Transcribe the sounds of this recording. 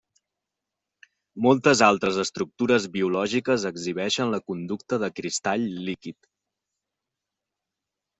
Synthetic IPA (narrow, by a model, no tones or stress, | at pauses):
mɔlˠt̪əzalˠt̪ɾəzəst̪ɾuk̚t̪uɾəzβiulɔʒikəzəɡziβ̞ɛʃənləkund̪uk̚t̪əðəkɾist̪aʎlikit̪